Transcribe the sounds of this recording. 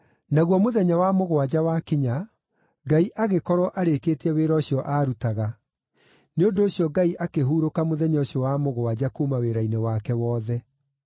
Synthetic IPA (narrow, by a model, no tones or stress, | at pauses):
naɣwɔmoðɛɲawamoɣowad͡ʑawakiɲa | ɡaiʔaɣekɔɾwɔʔaɾekeːteɛweːɾɔɕjɔʔaːɾutaɣa | neondoːɕjɔɡaiʔakeɦuːɾokamoðɛɲɔɔɕjɔwamoɣoad͡ʑakumaweɾainewakɛwɔːðɛ